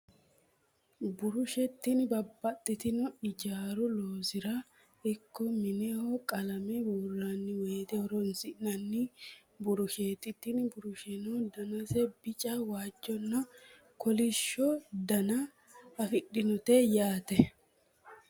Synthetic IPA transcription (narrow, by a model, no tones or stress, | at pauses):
bʊɾʊʃɛt̪ːɪnbɐbːɐt̪ʼːɪt̪ɪnɔɪd͡ʒaːɾʊloːsɪɾɐ | ɪkːɔmɪnɛhɔkʼɐlɐmɛbuːrːanːɪweːt̪ɛhɔɾɔnsɪʔnɐnːɪ | bʊɾʊʃeːt̪ʼːɪt̪ːɪnbʊɾʊʃɛnɔd̪ɐnɐsɛbɪt͡ʃʼɐwaːd͡ʒːɔnːɐ | kʰɔlɪʃːɔd̪ɐnɐ | ɐfɪɗːɪnɔt̪ɛjaːt̪ɛ